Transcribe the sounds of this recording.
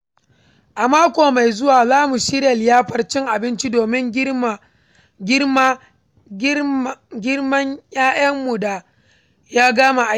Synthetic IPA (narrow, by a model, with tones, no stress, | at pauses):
ʔa˨maː˦kʷoː˨ma˨jzʊ˦waː˨zaː˦mu˨ʃɪ˦ɾjɐ˨ljaː˦ɸɐ˨rt͡ʃɪ˦ŋʔa˨bɪ˦nt͡ʃi˦doː˨mɪ˦ŋ˦ | ɡʲɪ˦rmɐ˦ɲjaː˦jɐ˦mːu˨daː˦ | jaː˦ɡaː˦ma˨ʔa˨˦˨